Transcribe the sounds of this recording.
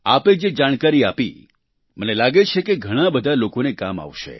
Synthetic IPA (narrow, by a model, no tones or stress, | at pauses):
aped͡ʒed͡ʒaɽ̃kaɾiapḭ | mənelaɡet͡ʃʰekeɡʱəɽ̃abəd̪ʱalokonekama̰ʋʃḛ